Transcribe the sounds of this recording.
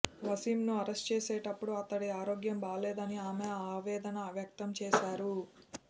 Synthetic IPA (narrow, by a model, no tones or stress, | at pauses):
ʋɐsiːmnuɐɾesʈt͡ʃeːseːʈɐpːuɽuɐt̪ːɐɽiaːɾoːɡjɐmbaːleːd̪ɐniaːmeaːʋɛːd̪ɐnɐʋjɐk̚t̪ɐmt͡ʃɛːʃaːɾu